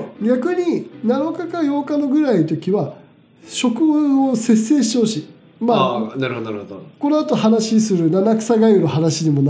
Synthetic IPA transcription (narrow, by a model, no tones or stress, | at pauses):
ɡʲakɯ̟ɲ̟inano̞kakajo̞ːkano̞ɡɯ̟ɾait̪o̞kʲiβa | ɕo̞kɯ̟ɯose̞sːe̞ːɕi̥t̪ehoɕi | manaɾhod̪ko̞noat̪o̞hanaɕisɨɾɯ̟nanakɯ̟̥saɡaiɾohanaɕiɲimo̞n